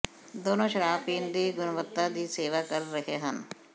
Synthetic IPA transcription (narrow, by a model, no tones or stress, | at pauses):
d̪oːnõːʃəɾaːfiːnd̪iːɡʊnʋət̪ːad̪iːseːʋaːkəɾːəɦeːɦən